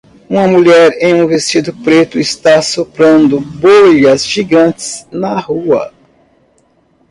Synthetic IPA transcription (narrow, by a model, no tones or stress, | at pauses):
ũmɐmuʎɛɾẽj̃ũvest͡ʃid̪ʊpɾet̪ʊɪst̪asopɾɐ̃nd̪ʊbojɐzʒiɡɐ̃nt͡ʃɪ̥znɐhuɐ̰